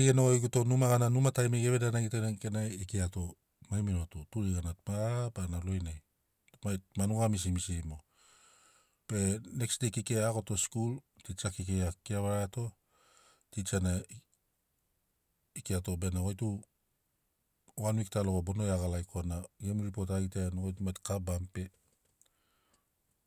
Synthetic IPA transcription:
iɡenoɡojɡuto̞numaɣananumatajmeɡe̞βedanaɡitenaŋkenajikiato̞ | majmiɾotutuɾiɡanatmapanalo̞jnaj | tmajtmanuŋamis̬imisimo̞ | pe̞ne̞ksdejkikeako̞to̞skul | tit͡ʃakik̬ejakiaβaɾato̞ | tit͡ʃana | ikiato̞benaɡojtu | wanwiktaloɡabo̞no̞jaɣalajkoanaɡemɾipo̞taɡiteanaɡojtumajtkabampe̞

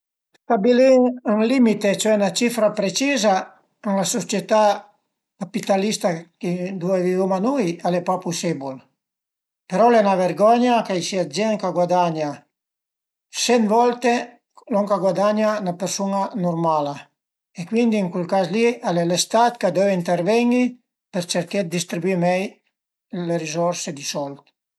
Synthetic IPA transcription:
st̪abiliaŋlimit̪et͡ʃoɛnat͡ʃifɾapɾet͡ʃiza | anlasot͡ʃjet̪a | kapit̪alist̪akid̪uavivumanujalɛpapusebul | peɾɔlɛnaveɾɡɔɲakajsiad͡ʒɛŋkaɡwad̪aɲa | sɛnvɔlt̪e | lɔŋkaɡwad̪aɲanapeɾsunanuɾmala | ekwind̪iːŋkwilkaslialelest̪at̪kad̪ɛveint̪eɾvɛɲi | peɾt͡ʃeɾked̪ist̪ɾibwimɛj | lerizɔɾsed̪isɔlt̪

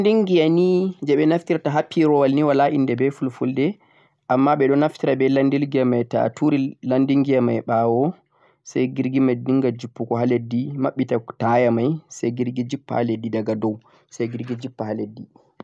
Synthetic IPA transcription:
ndiŋɡijanid͡ʒɛɓɛnaftiɾtaɦapʰːiɾɔwalniwalaʔindɛbɛfulfuldɛ | ʔamːaɓɛɗɔnaftiɾabɛlandilɡijamajta̰tuɾilandiŋɡijamajɓawɔ | sajɡiɾɡimajdiŋɡad͡ʒupːukɔɦaledːimaɓːitatajamajsajɡiɾɡid͡ʒipːa̰haledːidaɡadɔw | sajɡiɾɡid͡ʒipːahaledːi

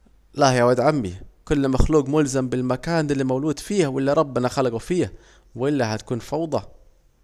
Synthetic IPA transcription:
lahjawad̪ʕamːḭkʊlːmaxluːqmʊlzambɪlmakaːnɪlːimawluːd̪fiːhwʔɪlːiɾˤɑbːɪnaxalaɡufiːha | wʔɪlːaɦat̪ḁkuːnfɑwd̪ˤɑ

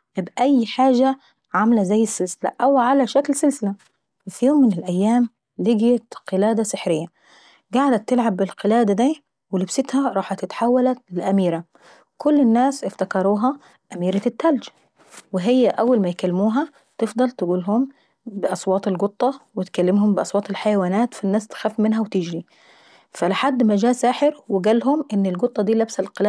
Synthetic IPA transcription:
ʔebʔæjːħaːʒæ | ʕamlæzæjːesːelsɪlæ̰ʔæwʕalæʃæklselsɪlæ | æfjoːmːɪnelʔæjːæːm | lɪɡjæt̪qelæːd̪æseħɾejːæ | ɡaʕd̪æt̪ːelʕabːɪlqelæːd̪æd̪iː | welebsɪt̪hæɾˤɑːħɑt̪ɪt̪ħawːælæt̪lelʔæmiːɾæ | kolːenːæːsʔɪft̪ækɑɾˤuːɦɑ | ʔæmiːɾæt̪ɪt̪ːæld͡ʒ | wɪɦɪjːæʔæwːalmæjkælːɪmuːɦæ | t̪efd̪ˤɑlt̪ɪɡuːlɦʊm | bɪʔɑsˤwɑːt̪ˤelɡot̪ˤːɑwɪt̪kælːɪmhʊmbɪʔɑsˤwɑːt̪ˤelħajawaːnæːt̪finːæːst̪xæfmɪnɦæwt̪ɪd͡ʒɾi | fælɪħad̪ːmæd͡ʒæːsaːħɪɾwɪɡælɦʊmʔɪnːɪlɡot̪ˤːɑd̪iːlæbsælqelː

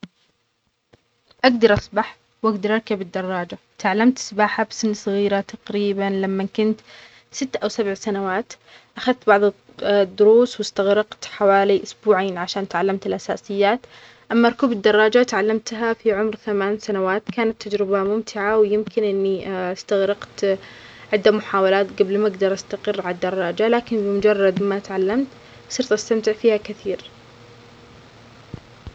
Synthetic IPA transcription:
ʔaɡd̪ɑɾˤʔɑsˤbaħ | wʔaɡd̪ɑɾˤʔɑɾˤkabɪd̪ːɑrˤːɑːd͡ʒa | t̪aʕalːamt̪sbaːħabsɪnːsˤɨɣiːɾat̪ɑqɾiːbanlamːakʊnt̪ | sɪt̪ːʔawsabʕsanawaːt̪ | ʔaxaðt̪bɑʕðˤ | d̪ːʊɾuːswɪst̪aɣɾɑqt̪ħawaːliʔʊsbuːʕaːnʕaʃaːnt̪ʕalːamt̪ɪlʔasa̰ːsɪjːaːt̪ | ʔamːaɾˤkuːbɪd̪ːɑrˤːɑːd͡ʒat̪ʕalːamt̪ɦafiʕʊmɾθamaːnsanawaːt̪kaːnat̪ʰːad͡ʒɾɪbamʊmt̪ʰɪʕawjɪmkɪnʔɪnːiɪst̪aɣɾɑqt̪ | ʕɪd̪ːamʊħaːwalaːt̪ɡablmaɡd̪ɑɾˤʔast̪aqɪrːʕalad̪ːɑrˤːɑːd͡ʒalaːkɪnbɪmʊd͡ʒɑrˤːɑd̪mat̪ʕalːamt̪ | sˤɨɾt̪ʔast̪amt̪ɪʕfiːhakɪθiːɾ

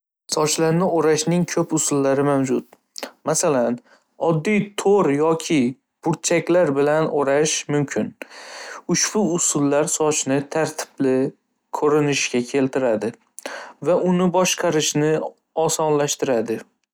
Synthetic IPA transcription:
sɒt͡ʃlaɾnɪoɾaʃnɪŋkʰɵpʊsʊlːaɾɪmawd͡ʒʊt̪̚ | masalan | ɒd̪ːijt̪ʰoɾjɒkʲʰɪ | b̥ʊɾt͡ʃʰakʲlaɾbɪlanʔoɾaʃmʊmkʲʰɪn | ʊʃb̥ʊʊsʊlːaɾsɒt͡ʃnɪt̪ʰaɾt̪ʰɪ̥blɪ | kʰɵɾɪnɪʃɡʲakʲʰe̞lt̪ʰɪɾad̪ɪ | vaʔʊnɪbɒʃqʰɑɾɪʃnɪ | ɒsɒnlaʃt̪ɪɾad̪ɪ

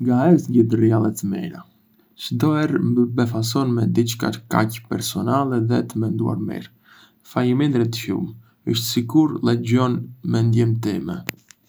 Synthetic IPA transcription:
ŋɡaɛsɲɟəd̪ərialˠɛt̪əmɛ̰ɾa̰ | ʃd̪ɔɛɾmbəbɛfas̬ɔnmɛd̪it͡ʃka̰ɾka̰cpɛɾsɔnalɛðɛt̪əmɛnd̪ṵa̰ɾmɛ̰ɾ | fajəmɛnd̪ɾɛt̪ʃṵm | əʃt̪sikuɾlˠɛd͡ʑɔnmɛnd̪jɛmt̪ɛmɛ

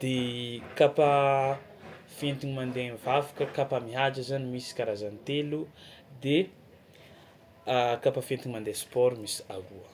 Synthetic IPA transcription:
d̪̥ekapa | fent̪iɲimand̪envavḁkəkapamiɦad͡ʒəzanimisi̥kaɾazanit̪elud̪e | kapafent̪iɲimand̪espɔɾumisi̥aɾuə

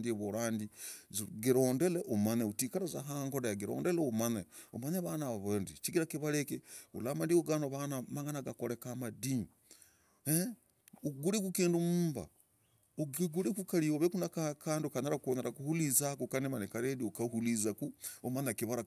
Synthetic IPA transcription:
ndieβoɾaːndizɡiɾoːndeleʔomaneutikaɾazaɦaːŋɡoɾajaɡiɾo̰ːndeleomaneo̰maneβanaβaβaːndit͡ʃiɡiɾakiβalekeṵlamadioɡanoβanamaŋɡanaɡakoɾekamadi | e | uɡuɾiɡukiːndumuːmba̰ | oɡiɡuɾikukalioβekunakakaːndiokaneɾakuβoneɾakuhulizakukanemanekaɾediokahulizakuomanekiβaɾa

